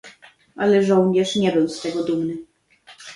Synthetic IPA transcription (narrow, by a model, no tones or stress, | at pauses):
ʔalɛʐɔ̃wɲɛʂɲɛbɘwst̪ɛɡɔd̪umnɘ